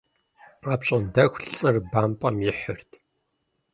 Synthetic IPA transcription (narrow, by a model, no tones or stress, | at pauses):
aːpɕʼɐndɐxʷɬʼɨrbaːmpʼɐmjɪħʊrtʰ